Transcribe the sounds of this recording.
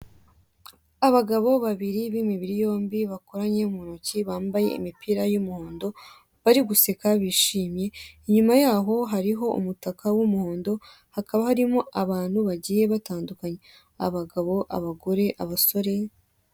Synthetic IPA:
aβaɡaβo̞βaβiɾiβimiβiɾijo̞ːmbiβako̞ɾaɲe̞umuonociβaːmbaje̞̰ḭmipiɾajumuhoːndo̞ | βaɾiɡuse̞kaβiːʃiːmje̞iɲumajaːɦo̞ɦaɾiɦo̞ʔṵmutakawumuho̞ːndo̞ | hakaβahaɾimo̞ʔaβaːn̥huβaɟiːje̞βataːndukaɲe̞ | a̰βaɡaβo̞ʔa̰βaɡo̞ɾe̞ʔaβaso̞ɾe̞

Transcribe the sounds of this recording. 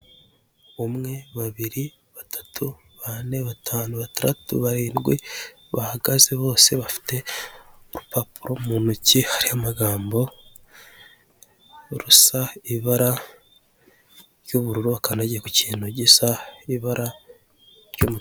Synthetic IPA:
omŋe̞βaβiɾi | βatḁtʰu | βane̞βatʰaːnuβataɾa̰tṵβaɾiːnɡwi | βahaɡazeβo̞ːse̞βafi̥te̞oɾupapuɾomuːnucihaɾihamaɡaːmbo̞ | ɾusaiβaɾa | ɾjoβuɾuɾuakanaɟku̥ciːnoɟisaiβaɾa | ɾjomu

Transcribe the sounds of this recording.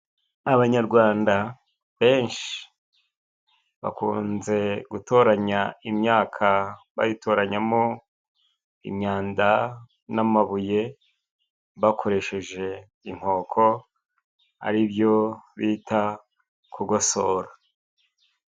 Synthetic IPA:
aβaɲaɾɡwaːnda | βe̞ːnʃi̥ | βa̰kṵːnze̞ɡutʰo̞ɾaɲaimɲaːkʰaβa̰jitʰo̞ːɾaɲamo | ḭmɲaːnda | namaβuje̞ | βakʰo̞ɾe̞ʃe̞ʒe̞ | iŋ̥ho̞ːkʰo̞ | a̰ɾibjo̞βiːtʰa | kʰuɡosoːɾa

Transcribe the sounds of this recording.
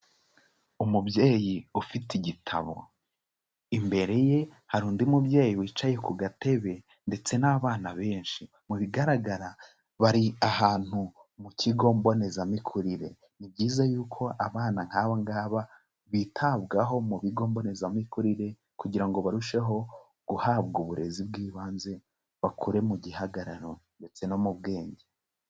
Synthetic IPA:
umubjeːjiufitiɟitʰa̰βo̞̰ | imbe̞ɾe̞je̞haɾuːndiumubɟe̞ːjiwiːt͡ʃajekuɡate̞βe̞ | nde̞t͡se̞naβaːnaβe̞ːnʃi | muβiɡaɾaɡaɾa | βaɾiaɦaːn̥humuciɡo̞ːmbo̞ne̞zamikʰuɾiɾe̞̰ | nibɟiːzajuːkʰo̞ʔaβaːnaŋ̥haːβaŋɡaːβa | βitʰaβɡaɦo̞muβiɡo̞ːmbo̞ne̞zamikuɾiɾe̞ | kuɟiɾaŋɡo̞βaɾuʃe̞ɦo̞ | ɡ̥uhaːβɡuβuɾe̞zib̚ɡiːβaːnze̞ | βakuɾe̞muɟihaɡaɾaɾonde̞t͡se̞no̞muβɡe̞ːɲɟe

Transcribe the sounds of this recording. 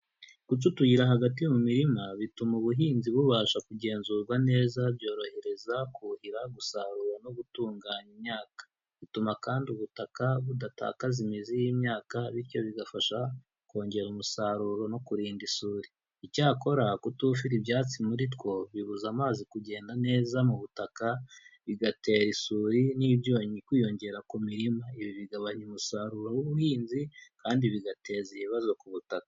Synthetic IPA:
kut͡ʃutujiɾaɦaɡatijumumiɾimaβitumuβuɦiːnziβuβaːʃakuɟe̞ːnzuːɾɡwane̞ːzabjo̞ːɾo̞he̞ɾe̞zakuhiɾaɡusaɾuɾonoɡutuːŋɡaːɲimɲaːkḁ | βitumakaːndiuβutakaβudata̰ːkazimizijimɲaːkaβiɾco̞βiɡafaʃa | ko̞ːɲɟe̞ɾumusaɾuɾo̞no̞kuɾiːndisuːɾi | icaːko̞ɾakutuːfiɾibjaːt͡simuɾit̬kwo̞βiβuzamaːzikuɟe̞ːndane̞ːzamuβutakaβiɡate̞ːɾisuːɾiniβjo̞ːɲikwiːjo̞ɲɟe̞ɾakumiɾimaiβiβiɡaβaɲumusaɾuːɾo̞wuβuhiːnzikaːndiβiɡate̞ːziβiβazo̞kuβutakḁ

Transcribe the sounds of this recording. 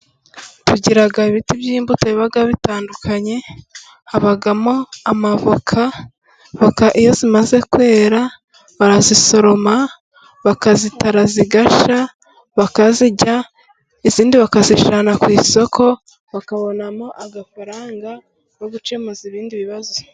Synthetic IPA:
tuɟiɾaɡaiβitibjiːmbutaiβaɡaβitaːndukʰaɲe̞ | haβaɡamo̞amavokʰa | βakaʔijo̞zimaze̞kwe̞ːɾa | βaɾaziso̞ɾo̞ma | βakazitaɾaziɡaʃa | βakaziɟa | iziːndiβakaziʃanakwiːso̞kʰo̞ | βakaβo̞namoʔaɡafaɾaːŋɡa | joɡut͡ʃemoziβiːndiβiβazo

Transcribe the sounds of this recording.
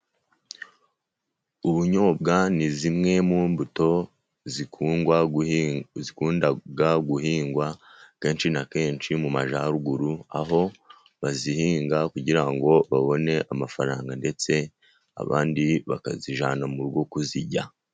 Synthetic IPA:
uβuɲo̞ːbɡanizimŋe̞muːmbuto̞ | zikuːŋɡwa | zikuːndaɡaɡuhiːŋɡwake̞ːnt͡ʃinake̞ːnt͡ʃimumaʒaɾuɡuɾua̰ɦo̞ | βazihiːŋɡakuɟiɾaŋɡo̞βaβo̞ne̞ʔamafaɾaːŋɡande̞t͡se̞ | a̰βa̰ːndiβaka̰ziʒaːnamuɾɡo̞kuziɟa

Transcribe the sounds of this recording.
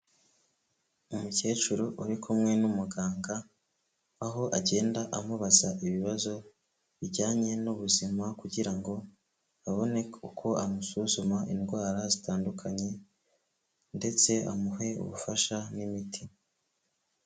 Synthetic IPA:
umuce̞ːt͡ʃuɾoʔuɾikʰumŋe̞numuɡaːŋɡa | aɦo̞ʔaɟe̞ːndaʔamuβazaʔiβiβazo̞ | βiɟaːɲe̞nuβuzimakuɟiɾaŋɡo̞ | aβo̞ne̞kukʰo̞amusuzumaʔinɡwaːɾazitaːndukʰaɲe̞ | nde̞t͡se̞a̰muɦe̞ṵβufaʃanimiti

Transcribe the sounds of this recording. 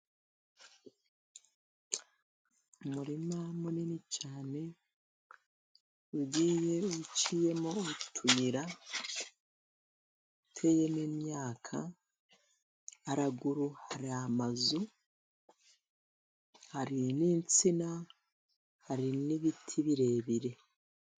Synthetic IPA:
umuɾimamuninit͡ʃaːne̞ | uɟiːje̞ut͡ʃije̞moːtʰujiɾa | utʰe̞ːje̞miːmjaːkʰa | aɾaɡuɾuhaɾiamazu | haɾiniːnt͡sina | haɾiniβitʰiβiɾe̞βiɾe̞

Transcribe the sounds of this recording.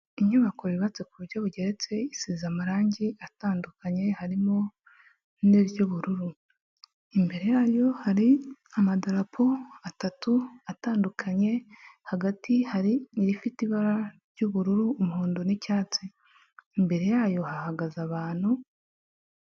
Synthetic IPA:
iɲɲuβako̞βiβat͡se̞kuβuɾɟoβuɟe̞ɾe̞t͡se̞isiːzamaɾaːɲɟiataːndukaɲe̞haɾimo̞ | neβjuβuɾuɾu | imbe̞ɾe̞jaːjo̞haɾiamadaɾapʰo̞atatuataːndukʰaɲe̞haɡatihaɾiiɾifitiβaɾaɾɟuβuɾuɾuːmuhuːndonicaːt͡se | imbe̞ɾe̞jaːjo̞hahaɡazaβaːn̥hu

